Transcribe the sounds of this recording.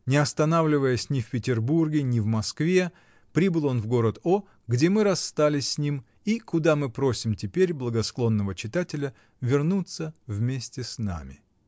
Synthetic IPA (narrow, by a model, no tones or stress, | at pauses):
nʲɪɐst̪ɐnavlʲɪvəjəsʲnʲɪfpʲɪtʲɪrburɡʲɪnʲɪvmɐskvʲe̞ | pɾʲibɨlˠo̞nvɡo̞ɾət̪o | ɡdʲemɨɾɐsːt̪alʲɪsʲsʲnʲim | ikʊd̪amɨpɾo̞sʲɪmtʲɪpʲeɾʲblˠəɡɐsklˠo̞nːəvət͡ɕɪt̪atʲɪlʲə | vʲɪrnut̪səvmʲesʲtʲɪsna̰mʲɪ